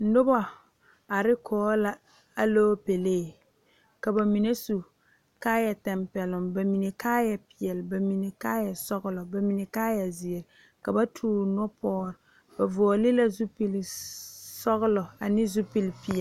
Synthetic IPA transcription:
nʊ˦bɔ˦ | a˨ɾɪ˦kʰɔː˨˦la˦ | a˦loː˦pe˨leː˦˨ | ka˨ba˨mi˨ne˦su˨ | kaː˦jɛ˨tɛ˨mpɛ˨lʊ˨mba˨mi˨ne˨kaː˦jɛ˨pɪ˨ɛ˨lba˨mi˨ne˨kaː˦jɛ˨sɔ˦ɣʊ˦lɔ˨ba˨mi˨ne˨kaː˦jɛ˨zi˨e˨ɾɪ˨ | ka˨ba˦tʰuː˦nɔ˦pɔː˦ɾ | b̥a˨vɔ˨ɔ˨lɪ˦la˦zu˦pi˦l | sɔ˦ɣʊ˦lɔ˨a˨nɪ˦zu˦pi˦lpi˨ɛ˨

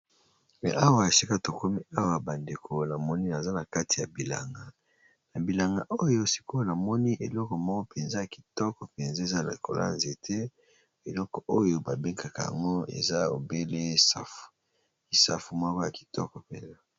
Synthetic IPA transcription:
mɛ̰˨ʔa˦wa˨e˨si˦ka˦to˨ko˦mi˦a˦wa˨ba˨nde˨kʰo˨na˨mɔ˦ni˦na˨za˦na˨ka˦ti˨ja˨bi˨la̰˨ŋɡa˨ | na˨bi˨la˨ŋɡa˨ʔo˦jo˦si̥˨ko˦na˨mɔ˦ni˦ʔe˨lɔ˦kɔ˨mɔ˦ko˦pe˨nza˦ja˨ki̥˨tɔ˦kɔ˨pe˨nza˦e˨za˦na̰˨kʰo̰˨lʔa̰˦nze˨tʰe˦ | e˨lɔ˦kɔ˨o˦jo˦ba˨be˦ŋka˨ka˨ja̰˨ŋɡo˦ḛ˨za˦o̰˨be˦le˦sa˦f | ki˨sa̰˦fu˨mwa˦kɔ˦ja˨ki̥˨tɔ˦kɔ˨pḛ˨nza˦

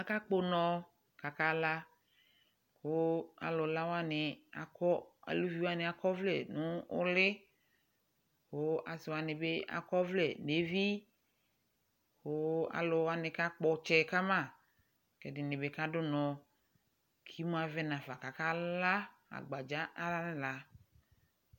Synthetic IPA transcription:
a˨ka˦k͡po˦nɔ̃˨ | ka˨ka˦la˦ | kʊ˦a̰˨lʊ˨la˦wa˦nɪ˨a̰˨kɔ˦a̰˨lu˦vi˦wa˦nɪ˨a˨kɔ˦vlɛ̰˨nʊ̃˦ʊ˦lɪ˦ | xo˦a˨sɪ˨wa˨nɪ˨be˦a̰˨kɔ˦vlɛ˨ne˨vi˦ | xo˦a̰˨lʊ˨wa˦nɪ̃˨ka˦k͡pɔ˨t͡ʃɛ˨ka˦mã˦˨ | kɛ˨dɪ˨nɪ̃˨be˨ka˦dʊ˦nɔ̃˨ | kʰi˦mũ˦a˨vɛ˦nã˨fa˨ka˨ka˦la˦ | a̰˨ɡ͡ba˨d͡ʒa˦ʔa˦la˦nɪ̃˦la˨

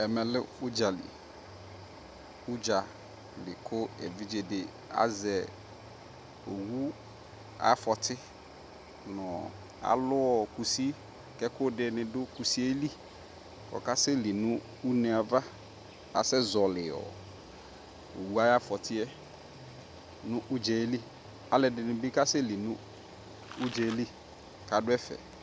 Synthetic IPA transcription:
ɛ˨mɛ̃˨lɪ˦ʊ˦d͡ʒa˨lḭ˨ | ʊ˦d͡ʒa˨ | lɪ˨kʰʊ˦ɛ̰˨vi˦d͡ʒe˦dɪ˨ | a̰˦zɛ˨ | o˨wu˦ | a̰˦fɔ˨t̪ʰɪ˦ | nɔ̃˨ | a̰˨lʊ˦ɔ˨ku˨si˦ | kɛ˦kʊ˦ɖɪ˨nɪ̃˨dʊ˦ku˨si˦ɛ˦li˦ | kɔ̰˨ka˦sɪ˦li˨nʊ̃˦ | u˦nɛ̃˨a˨va˦ | a̰˨sɛ˦zɔ˨lɪ˨ɔ̰˨ | o̰˨wu˦a˦ja˦fɔ˨tʰɪ˦ɛ˦ | nʊ̃˦ʔʊ˦d͡ʒɛ˨˦li˦ | a˨lɛ˨dɪ˨nʊ̃˨bɪ˦ka˦sɪ˦li˨nʊ̃˦ | ʊ˦d͡ʒɛ˨˦li˦ | ka˨dʊ˦ɛ˦fɛ̰˨

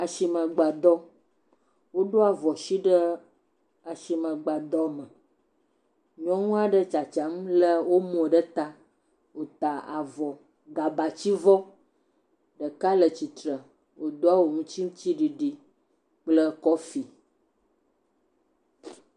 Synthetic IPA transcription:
a˨ʃi˨mə̃˨ɡ͡ba˨d̪ɔ˦ | wo˦ɖo˦a˨vɔ˨ʃi˦ɖə˦ | a˨ʃi˨mə̃˨ɡ͡ba˨d̪ɔ˦mə̃˨ | ɲɔ̃˦ŋũ˦a˨ɖə˦t͡ʃa˨t͡ʃa˨˦m˦lə˦wo˦mɔ̃˨ɖə˦t̪a˦ | wo˨t̪a˨a̰˨vɔ˨ | ɡa˨ba˨t͡ɕi˦vɔ˦ | ɖə˨ka˦lə˨t͡ɕi˨t̪ɾə˨ | wo˨d̪o˦a˦wo˨ŋũ˦t͡ɕi˦m̩˦t͡ɕi˦ɖi˨ɖi˨ | k͡plə˦kɔ˦fi˨

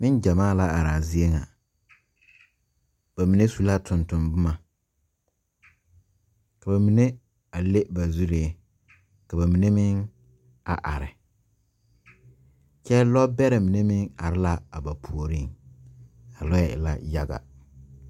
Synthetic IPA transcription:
mɪ̃˦nd͡ʑã˨mãː˦˨la˦a˨ɾa˨zi˦e˦ŋã̰˨ | b̥æ˨mĩ˨nẽ˦su˨la˦tʰʊ̃˨ntʰʊ̃˨mbʊ˦mã˨ | kʰa˨ba˨mĩ˨nẽ˦ | a˨le˦ba˨zu˦ɾe˨˦ | kʰa˨ba˨mĩ˨nẽ˦mɪ̃˦n | a̰˨ʔa̰˨ɾɪ˨ | kʰɛ˦lɔ˦bɛ˦ɾɛ˨mĩ˨nẽ˦mɪ̃˦na̰˨ɾɪ˦la˦a̰˨ba˨pʰu˨o˨ɾĩ˦n | a˨lɔ˦jɛ˨ɪ̰˨la̰˦ja˦ɡa̰˨

